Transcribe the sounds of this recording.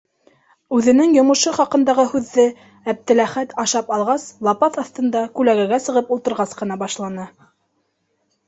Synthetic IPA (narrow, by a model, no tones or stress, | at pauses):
ʉðɘ̆nɘŋjŏmɤ̆ʃɤχɑqɤ̆nd̪ɑʁɤhʉðːɘ | æb̚t̪ɘ̆læχæt̪ɑʃɑpɑlˠʁɑslˠɑpɑθɑθt̪ɤ̆nd̪ɑkʉlæɡæɡæsɤ̆ʁɤpulˠt̪ɤ̆ɾʁɑsqɤ̆nɑbɑʃlˠɑnɤ